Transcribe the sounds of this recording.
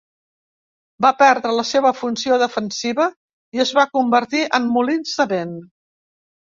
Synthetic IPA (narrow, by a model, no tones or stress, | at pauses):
bapɛɾðɾələseβəfunsioðəfənsiβə | iəzβakumbəɾt̪iʔəmːulinsəβen